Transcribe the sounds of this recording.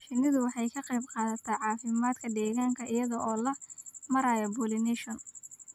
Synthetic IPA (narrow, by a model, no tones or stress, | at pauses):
ʃɪnɪðʊwɑħɑjkʰɐqɑjbqɑːðɐt̪ʰɐʕɑːfɪmaːd̪kʰɐd̪ɛːɣaːŋkʰɐʔɪjɐðɔʔɔːlɐmɐɾaːjɐbuːlɪnɛʃɔn